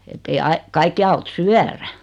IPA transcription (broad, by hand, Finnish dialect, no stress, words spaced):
etːei ɑi kɑikːi ɑut syæræ